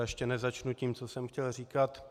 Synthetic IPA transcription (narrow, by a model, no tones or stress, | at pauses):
ɛʃcɛnɛzat͡ʃnuciːmt͡sosɛmxcɛlriːkat̪